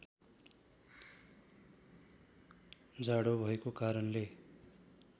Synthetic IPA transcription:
d͡zaɽobʱʌekokaɾʌnle

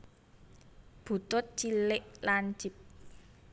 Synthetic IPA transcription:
b̥ṳt̪ʊt̪̚t͡ʃilɪʔland͡ʒip̚

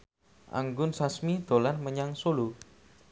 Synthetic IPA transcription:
ʔa̰ŋɡʊnsasmid̪̥o̤lanməɲaŋsolu

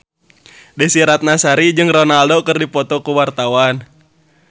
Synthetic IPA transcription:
dɛsiɾat̪̚nasaɾid͡ʒɨŋrɔnaldokɨrdipɔt̪ɔkuwart̪awan

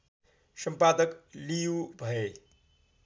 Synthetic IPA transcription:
səmpaːd̪əklijubʱəe

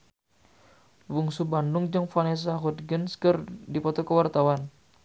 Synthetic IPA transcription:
wuŋsubandʊŋd͡ʒəŋfanɛs̬aɦut̪̚ɡənskərdipɔt̪ɔkəwart̪awan

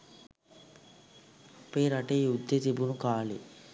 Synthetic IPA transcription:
peːɾɐʈeud̪ːet̪ibunukaːlḭ

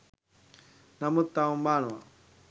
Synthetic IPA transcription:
nɐmut̪ːaumbaːna̰

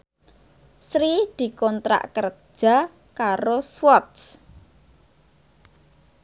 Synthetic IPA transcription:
sɾid̪̥i̤kɔnt̪ɾa̰ʔkər̥ʒ̥a̤ | kaɾoswɔt̪s

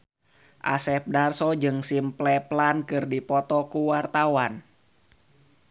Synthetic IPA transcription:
ʔa̰sɛp̚darsɔd͡ʒɨŋsimplɛplankɨrdipɔt̪ɔkuwart̪awan

